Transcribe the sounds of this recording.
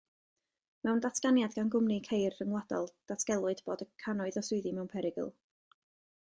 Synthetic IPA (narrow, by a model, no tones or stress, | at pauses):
mɛwndatʰɡ̥anjadɡanɡʊmnikʰejrːəŋwadɔ̰lˠd̥atʰɡ̥ɛlˠwɨdb̥oːdəkʰanɔɨðɔsʊɨðimɛwnpʰɛɾɪɡə̰lˠ